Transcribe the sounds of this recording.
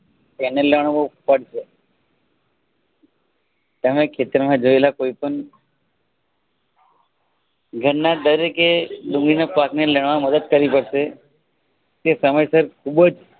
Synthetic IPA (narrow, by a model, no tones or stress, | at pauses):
t̪eneləɳ̃ubʱəpəɽ̤ʃe | t̪əmẽkʰet̪əɾmãd͡ʒoelakoipəɳ | ɡʱəɽnːad̪əɾekeɖũŋɡɭinapakneləɳʋaməd̪əd̪kəɾipəɽʃe | t̪esəməjsəɾkʰubd͡ʒ